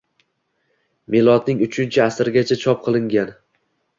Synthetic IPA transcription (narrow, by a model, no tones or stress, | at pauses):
melˠɒt̪nɪŋʊt͡ʃʰʊnt͡ʃʰɪasɾɡʲat͡ʃʰat͡ʃʰɒp̚qʰɨlˠɪŋɡʲan